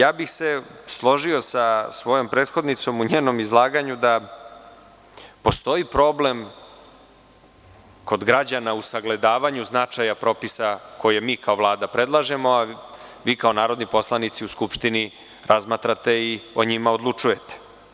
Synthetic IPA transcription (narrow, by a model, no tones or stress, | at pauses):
jaːbixseslˠo̞ʒio̞sasʋo̞jo̞mpɾeːd̪xo̞d̪nit̪so̞muɲeːno̞mizlˠaːɡaɲud̪a | post̪o̞ipɾo̞ːblem | ko̞d̪ɡɾad͡ʑanausaɡle̞d̪aːʋaɲuznat͡ʂajapɾo̞pisakʰo̞jemiːkao̞vlˠaːd̪apɾe̞d̪lˠaʒemo̞aʋiːkao̞naːɾo̞d̪nipo̞slˠanit̪siuskupʂt̪ini | ɾazmat̪ɾat̪e̞io̞̰ɲimaod̪lˠut͡ʂuje̞t̪e̥